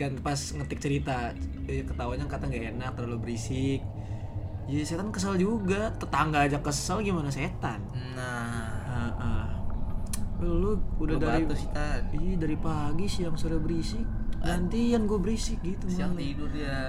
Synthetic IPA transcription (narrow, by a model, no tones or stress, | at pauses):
kanpasŋət̪ɪk̚t͡ʃəɾit̪a | kət̪awanɲakat̪aŋɡaenak̚t̪əɾalubəɾisɪk̚ | d͡ʒadiset̪ankəs̬ald͡ʒuɡat̪ət̪aŋɡaːd͡ʒakːəsəlɡimanas̬et̪anna | əʔəh | əluudadaiusit̪aiadaɾipaɡisjaŋsudabəɾisɪk̚nant̪ijaŋɡuabəɾisɪk̚ɡit̪uaiɡudia